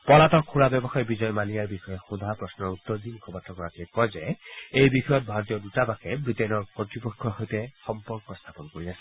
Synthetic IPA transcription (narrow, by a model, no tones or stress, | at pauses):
pɔlatɔkʰːuɹabɛbɔxajɔbizɔjmanijaɹbixɔjɛxud̪ʱapɹɔsnɔɹut̪ːɔɹdimukʰɔpatʰːɔkɔɹakɛkɔjzɛejbixɔjɔt̚bʱaɹɔtijɔdutabakɛbɹitɛnɔɹkɔtɹipɔkʰːɔɹɦojtɛxɔmpɔɹkɔst̪ʰapɔnkoɹiasɛ̥